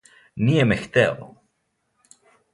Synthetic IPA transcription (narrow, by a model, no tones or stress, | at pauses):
niemext̪ɛo̰